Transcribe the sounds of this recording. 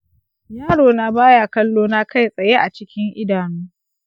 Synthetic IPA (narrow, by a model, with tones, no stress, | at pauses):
jaː˦ɽoː˨na˦baː˦ja˨kɐ˦lːoː˦na˦ka˦˨jsʼɐ˨je˦ʔa˨t͡ʃɪ˦kʲɪ˦ŋʔɪ˦daː˨nuː˦